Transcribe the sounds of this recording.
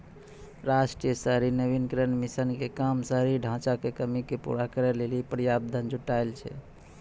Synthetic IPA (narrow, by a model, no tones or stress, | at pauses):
ɾasʈɾijəsəɦɾinəbinkɾənmisənkekamsəɾiɖʱãt͡ʃakekəmikepṵɾakəɾɛlelipəɾjab̚d̪ʱənd͡ʒʱuʈaɪlt͡ʃʰɛ̰